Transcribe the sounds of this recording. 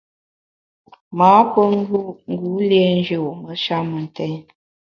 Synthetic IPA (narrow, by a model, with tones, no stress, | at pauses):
maː˨˦pə˦ŋ˦ɡu˦ŋ˦ɡu˨˦le˦n˦d͡ʒə˨mə˨˦ʃa˦mə˨n̩˨tɛ˦ɲ